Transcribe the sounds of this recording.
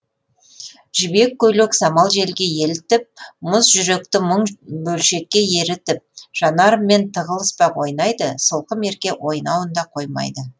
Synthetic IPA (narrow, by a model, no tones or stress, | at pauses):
ʒ̥ɪbe̞kʲːɵleksɑmɑlˠʒe̞lɡʲe̞je̞lɪt̪ɪp̚mʊsʒʏɾe̞k̚t̪ɪməɴbɵlʃe̞kʲːe̞je̞ɾɪt̪ɪp̚ʒ̥ɑnɑɾəmːe̞nt̪ʰəʁəlˠəspɑwo̞jnɑjd̪əsəlˠqəme̞ɾkʲe̞wʔo̞jnɑwənd̪ɑqʰo̞jmɑ̰jd̪ə